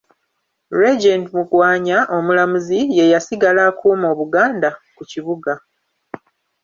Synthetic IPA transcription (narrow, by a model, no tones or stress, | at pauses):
ɾed͡ʒendmuɡwaːɲaʔo̞mulamuzije̞jasiɡalaːkʰuːmo̞ːβuɡaːndakuciβuɡa